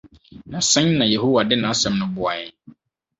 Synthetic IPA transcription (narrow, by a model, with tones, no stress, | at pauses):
nã˨sɛ̃˦ɲ˦nã˨je˨ɦo˦wa˨dɪ˦nã˨˦sɛ̃˨mnʊ̃˨bʊ˨a˨jɛ̃˨